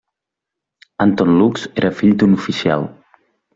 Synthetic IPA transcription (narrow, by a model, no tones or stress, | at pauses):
ant̪ɔnlukz̥eɾəfiʎd̪unufisia̰lˠ